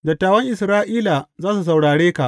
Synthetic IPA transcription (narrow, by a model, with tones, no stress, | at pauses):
dɐ˨tːaː˨wɐ˦ŋʔɪ˨sɾaː˦ʔiː˦la˨zaː˦s̬u˨s̬a˨wɽaː˨ɽeː˦ka˨ʔ